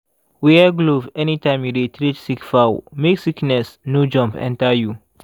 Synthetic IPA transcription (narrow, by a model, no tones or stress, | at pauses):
wiɡlovɛnitãɪ̃mjuɾitɾitsikfawmeksiknɛsnod͡ʒɔ̃mpɛ̰̃ntaju